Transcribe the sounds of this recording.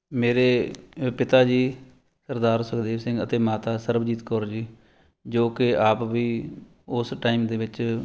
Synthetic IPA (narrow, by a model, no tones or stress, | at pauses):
meːɾeːpɪt̪aːd͡ʒiː | səɾd̪aːɾsəkd̪eːʋsɪ̃ŋɡət̪eːmaːt̪aːsəɾbd͡ʒiːt̪koːɾd͡ʒiː | d͡ʒoːkɪaːpʋiː | ʊsʈaːimd̪eːʋɪt͡ʃ